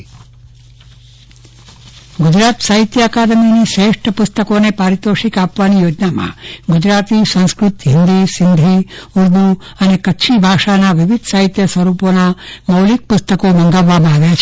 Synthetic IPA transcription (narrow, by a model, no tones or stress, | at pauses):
ɡud͡ʒɾaːt̪saːɦit̪jaːkaːd̪ɐmiːniʃeːʂʈɐpust̪ɐkoːnepaːɾit̪oːʂikaːpʋaːnijoːd͡ʒnaːma̰ːɡud͡ʒɾaːt̪iːsɐ̃nskɾut̪ɦind̪isind̪ʱiuɾd̪u | ɐneːkɐtːʃʰibʱaːʂaːnaʋiʋid̪ʱsaːɦit̪jɐsʋɐɾuːpoːnamɐwlik̚pust̪ɐkoːmɐŋɡaʋaːmaːɡjaːt͡ʃʰ